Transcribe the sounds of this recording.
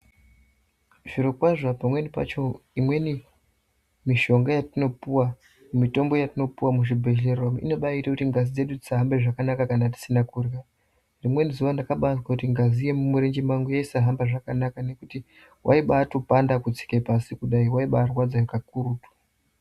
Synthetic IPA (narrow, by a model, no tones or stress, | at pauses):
ʐ̥iɾokwaʐapamwe̞nipa̰t͡ʃo̞imwe̞ni | miʃo̞ŋɡajatino̞puwa | mumito̞mbo̞jatino̞puwamuʐibʱe̞ʒe̞rwamḭno̞ɓaitakutiŋɡazid͡ze̞ɗud͡zisaɦambe̞ʐakanakakanati̥sinakurja | rimwe̞nizuʋandakaɓazwakutiŋɡazije̞mumuɾend͡ʒimaŋɡujaisaɦambaʐakanakane̞kuti | wʔa̰iɓaːtopandakud͡zi̥kepasikuɗaiwaiɓaːrwad͡zaʐikakuɾutwḁ